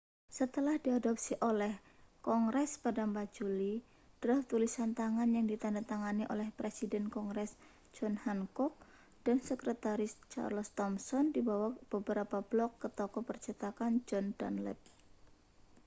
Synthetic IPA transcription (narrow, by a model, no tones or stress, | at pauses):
sət̪əlahdiadɔp̚siʔolɛhkɔŋɾɛspadampat̪̚d͡ʒuli | d̥ɾɔht̪ulisant̪aŋanjaŋdit̪andat̪aŋaniʔo̰lɛhpɾesidɛnkɔŋɡɾɛs | d͡ʒɔnhaŋkɔk̚ | d̥ansəkɾət̪aɾɪst͡ʃa̰rlɔst̪ɔmsɔndibawab̥əbəɾapablɔkːət̪ɔkɔpərt͡ʃət̪akand͡ʒɔnda̰nlɛ̰t̪̚